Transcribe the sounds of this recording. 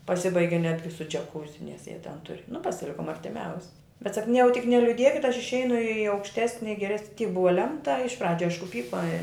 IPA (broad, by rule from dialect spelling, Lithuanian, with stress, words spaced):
pɐˈsʲɪbɐɪɡʲɪ ˈnʲæːdʲɡʲɪ sʊ d͡ʒʲɛˈkuːzʲɪ nʲɛs jiɛ tʲɛn ˈtʊrʲɪ nʊ pɐsʲɪˈlʲɪkʊm ɐrʲtʲɪˈmʲɛʊsʲɪ bʲɛt ˈsɐk nʊ jɛʊ tʲɪk nʲɛlʲʊˈdʲiɛkʲɪt ɐʃ ɪʃʲˈɛɪnʊ iː ɐʊkʃʲˈtʲæːsʲnʲɪ ɡʲɛˈrʲɛs tʲiːk ˈbʊʋɐ ˈlʲɛmtɐ ɪʃ ˈprɑːd͡ʒʲʊ ˈɐɪʃkʊ ˈpʲiːkoː ɪ